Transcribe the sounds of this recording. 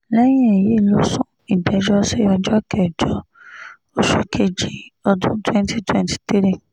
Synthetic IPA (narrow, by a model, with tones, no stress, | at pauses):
lɛ˦j̃ĩ˦e˨je˦˨lo˦sũ˦ | i˨bɛ˨˧d͡ʒɔ˦sɛ˦ja˧d͡ʒɔ˦˨kɛ˨d͡ʒɔ˨˦ | o˦ʃu˨˦kʰe˦˨d͡ʒi˨ɔ˧dũ˦twɛ̃˦nti˦twɛ̃˦nti̥˨t̪e˦ɾĩ˦˨